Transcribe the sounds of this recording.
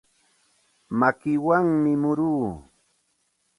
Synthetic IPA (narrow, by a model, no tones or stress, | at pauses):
makɪwaŋmɪmʊɾuː